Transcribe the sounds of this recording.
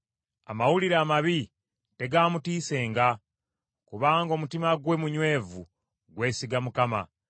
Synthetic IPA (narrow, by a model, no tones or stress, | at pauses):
a̰mawuliɾaːmaβi | te̞ɡaːmutiːse̞ːŋɡa | kuβaːŋɡo̞ːmutimaɡwe̞muɲwe̞ːvṵ | ɡwe̞ːsiɡamukama̰